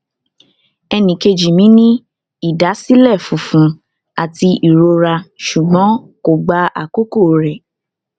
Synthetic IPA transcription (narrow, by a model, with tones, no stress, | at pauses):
ɛ˧nĩ˨ke˧d͡ʒi˨mĩ˨˦nĩ˦ | i˦˨da˨˦si˦lɛ˦˨fũ˨˦fũ˨˦ | a˨ti˧ʔi˨ɾo˧ɾa˧ʃu˨ɡ͡bɔ̃˨˦ | ko˨ɡ͡ba˧ʔa̰˨ko˦ko˦˨ɾɛ˨